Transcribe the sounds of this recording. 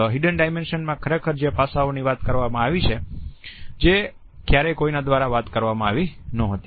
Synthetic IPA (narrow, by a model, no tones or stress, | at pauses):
ɦiɖənɖajmenʃənmãkʰəɾekʰəɾd͡ʒepasaoniʋat̪kəɾʋamãaʋit͡ʃʰe | d͡ʒe | kjaɾekoinad̪ʋaɾaʋat̪kəɾʋamãaʋinəɦət̪i